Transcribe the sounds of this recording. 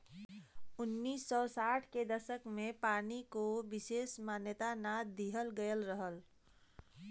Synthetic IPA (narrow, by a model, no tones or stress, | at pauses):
ʊnːiːsːɔsaʈʰked̪əsəkmẽpaːnikobiseːsmanjət̪anad̪iɦəlɡəjəlɾəɦəl